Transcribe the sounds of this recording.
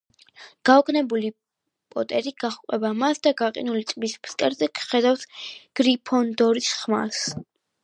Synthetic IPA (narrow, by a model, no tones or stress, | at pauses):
ɡ̥aɔɡʼnɛbuli | pʼɔ̰t̪ʼɛɾiɡ̥aχkʼwɛbamasd̪aɡaqʼḭnulit̪ʼmispʰskʼɛɾzɛkʰχɛd̪aft̪ʰɡ̥ɾipʰɔnd̪ɔɾisχma̰s